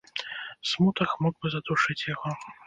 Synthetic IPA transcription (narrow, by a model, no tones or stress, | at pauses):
smut̪ɐxmɔɡ̚bɨzɐd̪uʂɨt͡sʲjaɣɔ